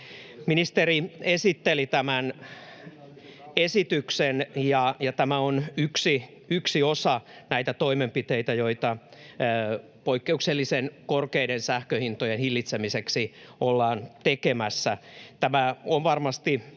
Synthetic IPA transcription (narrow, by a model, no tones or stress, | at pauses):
minist̪eriesit̪ːelit̪æmæn | esit̪yksenjɑjɑt̪æmæonyksi | yksiosɑnæit̪æt̪oimempit̪eit̪æjoit̪ɑː | poikːeukselːisenkorkeiɾensæhkøhint̪ojenhilːit̪semiseksiolːɑːnt̪ekemæsːæt̪æmæonʋɑrmɑst̪i